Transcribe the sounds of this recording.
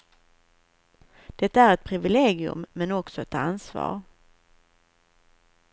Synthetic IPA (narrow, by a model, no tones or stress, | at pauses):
d̪̥ɛt̪ːaæɾɛt̪̚pʰɾɪvɪleːɡɪɵ̰mːɛnɔksɔɛt̪ansvɑ̰ːɾ